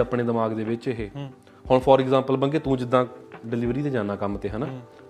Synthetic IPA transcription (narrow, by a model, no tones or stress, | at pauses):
əpɽeːd̪ɪmaːɡd̪eːbɪt͡ʃːɦeː | hoːɳpʰɔːɾɪɡzãːmpəlbəŋɡeːt̪ũːd͡ʒɪd̪ãːɖɪlɪːʋɾiːd̪eːd͡ʒãːnaːkəmːt̪eːɦənaː